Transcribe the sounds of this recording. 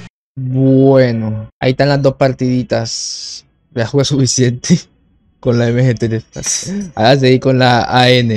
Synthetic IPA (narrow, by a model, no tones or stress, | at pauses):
bwwenoa̰ist̪anlazd̪o̞spaɾt̪iðit̪as | beaxwuɣasufisje̞nt̪ʰe | ko̞nlaemexet̪ɾeasaazd̪eikonlaaene